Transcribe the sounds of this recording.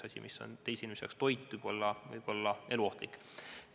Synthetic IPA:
ɑsʲḭmisːo̞̰nt̪e̞jsinʲmesḛkst̪o̞jt̪ˑːujb̥o̞lːɑvɯ̰jb̥o̞lːɑe̞luo̞ht̪likːˑ

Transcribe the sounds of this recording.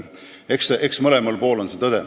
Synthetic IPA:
ekseʔeksmɤlemɑlpo̞ːlo̞nset̪ɤd̪̥e

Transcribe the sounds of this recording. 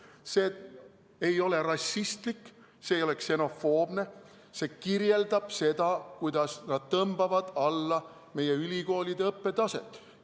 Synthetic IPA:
seː | e̞jo̞le̞ɾɑsʲːist̪likː | se̞ːjo̞le̞kse̞no̞fo̞ːb̥ne̞ | se̞ːkirje̞ld̪̥ɑb̥se̞d̪̥ɑkujd̪̥ɑsnɑd̪̥̚t̪ɤmbɑvɑd̪̥ɑlːɑ | me̞jeylʲiko̞ːlʲid̪e̞ɤpːe̞d̪ɑse̞̰t̪ˑ

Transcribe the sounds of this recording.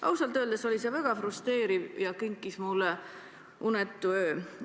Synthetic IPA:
ʔɑ̰wsɑlt̪ˑøːld̪eso̞lise̞vɑɡ̥ɑfrust̪e̞ːɾivjɑkiŋkːˑismulːe | unet̪ːˑuø̞ː

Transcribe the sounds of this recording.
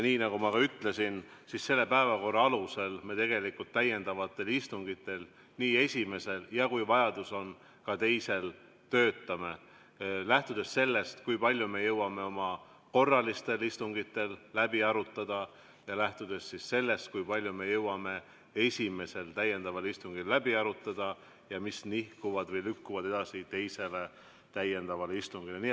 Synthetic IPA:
jniːnɑɡumɑkɑyt̪ˑle̞sinsisse̞lːepæevɑko̞rːɑɑluse̞lme̞t̪e̞ɡ̥e̞likult̪ːæjːe̞nd̪̥ɑvɑt̪ːˑe̞list̪uŋɡ̥it̪ːˑe̞l | niːe̞sʲime̞se̞ljɑkujvɑjɑd̪̥uso̞n | kɑt̪e̞jse̞l | t̪ø̞ːt̪ːˑɑme̞ | læht̪ud̪̥e̞sːe̞lːe̞st̪kujpɑlʲjume̞jɤwɑme̞o̞mɑ | ko̞rːɑlist̪e̞list̪uŋɡit̪ːˑe̞lːæbiɑɾut̪ˑːɑd̪̥ɑ | jɑlæht̪ud̪e̞sːisse̞lːe̞st̪̚kujpɑlʲjume̞jɤwɑme̞ | e̞sʲime̞se̞lt̪æje̞nd̪̥ɑvɑlist̪uŋɡ̥illæbiɑɾut̪ːˑɑd̪̥ɑ | jɑmisnihkuvɑd̪vɤjlykːuvɑd̪e̞d̪̥ɑsit̪e̞jse̞le̞ | t̪æjːe̞nd̪̥ɑvɑleist̪uŋɡ̥ileni

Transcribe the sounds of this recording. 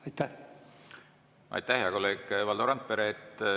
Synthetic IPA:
ɑjt̪ːæ | ʔɑ̰jt̪ːæhjɑkolːe̞ːɡvɑld̪oɾɑnt̪̚peɾet̪ː

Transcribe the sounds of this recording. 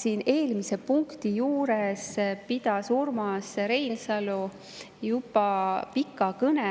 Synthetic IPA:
siːne̞ːlmise̞puŋkt̪ijuːɾespid̪̥ɑsurmɑsɾe̞jlsɑlu | jubˑɑpikːˑɑkɤne

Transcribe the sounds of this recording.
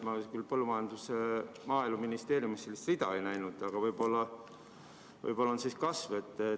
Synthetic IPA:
mɑkylpɤlːumɑjɑnd̪̥usemɑːilmɑminist̪e̞ːɾjumisselːist̪rid̪̥ɑ̰ejnæjnud̪̥ɑɡ̥ɑvɤjbo̞lːɑ | vɤ̰jpo̞lːɑonsiːskɑsve̞t̪ːe

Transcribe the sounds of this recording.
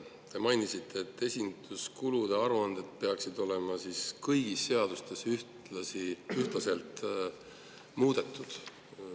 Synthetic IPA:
t̪e̞mɑjnisit̪ʰːe̞ːt̪ːe̞sʲind̪̥uskulud̪̥e̞ɑɾuɑnd̪̥e̞d̪̥̚pe̞ɑksid̪o̞le̞mɑsiːskɤjɡ̥isːe̞ɑd̪̥ust̪e̞syht | lɑsiyht̪lɑse̞lt̪ | muːd̪̥e̞t̪ˑːud̪̥

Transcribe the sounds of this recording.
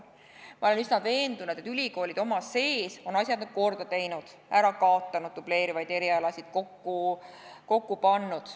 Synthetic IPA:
mɑo̞le̞nysnɑve̞ːnd̪̥unud̪̥e̞t̪ylʲiko̞ːlʲid̪o̞mɑse̞ːso̞nɑsʲjɑd̪nyd̥̪̚ko̞rd̪̥ɑt̪e̞jnud̪̥ | æɾɑkɑot̪ˑːɑnud̪̥̚ːuble̞ːɾivɑjd̪̥e̞ɾiɑlɑsʲid̪̥̚ko̞kːu | ko̞kːupɑnːud̪̥

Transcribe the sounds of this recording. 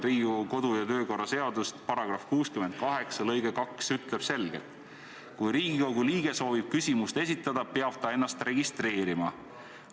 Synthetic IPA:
riːuko̞d̪̥ujɑt̪ø̞ːko̞rːɑse̞ɑd̪̥ust̪pɑɾɑɡ̥rɑfkuːskymen̚kɑɦe̞ksɑlɤjɡ̥ekɑksyt̪le̞b̥se̞lɡ̥e̞̰lt̪ | kujɾiːɡiko̞ɡ̥uliːɡ̥e̞so̞ːvib̥̚kysʲimust̪e̞s̬ʲit̪ːˑɑd̪̥ɑpeɑb̥̚t̪ɑe̞nːɑst̪re̞ɡist̪re̞ːɾimɑ

